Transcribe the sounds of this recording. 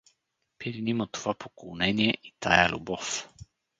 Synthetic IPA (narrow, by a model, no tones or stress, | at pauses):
piɾinimət̪ovapokolˠnɛniɛʔit̪ʰa̰jə̰lʲʔṵbɔf